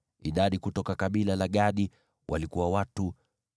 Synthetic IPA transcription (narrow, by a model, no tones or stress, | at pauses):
iɗaɗikutɔkakaɓilalaɠaɗi | wʔalikuwawatu